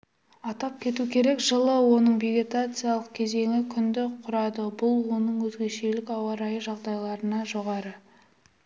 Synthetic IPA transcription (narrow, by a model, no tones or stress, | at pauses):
ɑt̪ɑp̚kʲʰe̞t̪ukʲʰe̞ɾe̞kʒəlˠəwo̞nəɴve̞ɡʲe̞t̪at̪sɨjalˠəq̚kʲʰe̞ze̞ŋɪkʲʰʏnd̪ɪqʰʊɾɑd̪əbʊlˠwo̞nəɴwɵzɡʲe̞ʃe̞lɪkɑwɑɾɑjəʒɑʁd̪ɑjlˠɑɾənɑʒo̞ʁɑɾə